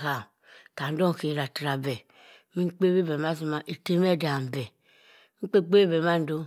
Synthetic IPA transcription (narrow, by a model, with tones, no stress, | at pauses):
ka˨ | ka˨n̩˦do˦ŋ˨ke˨ɾa˨tɾa˨bɛ˨ | mi˦k͡pe˦be˦be˨ma˦zi˦ma˨ʔe˨te˦me˦˨da˨m˨bɛ˨ | ŋ͡m̩˦k͡pe˦˨k͡pe˦be˨ma˦n̩˦do˦